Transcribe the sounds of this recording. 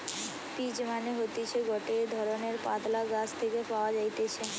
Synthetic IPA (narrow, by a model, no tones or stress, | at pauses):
pid͡ʑmaneɦot̪et͡ɕʰeɡɔʈed̪ʱɔɾoneɾpad̪laɡast̪ʰekepaoad͡ʑajt̪et͡ɕʰe